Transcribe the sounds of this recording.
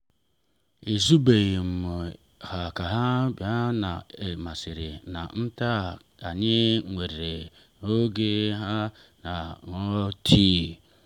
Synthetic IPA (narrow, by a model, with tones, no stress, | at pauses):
e˨zu˦be˨ji˨m̩˨mʊ˨ | ha˨ka˨ɦa˦bja˦na̰˨e˨ma˨si˨ɾḛ˨na̰˨n̩˦ta˦˨ | a˨ɲɪ˦ŋʷe˨ɾe˨e˨ | o˦ɡe˦ɦa˦ | na˨ŋɔ˦tʰi˦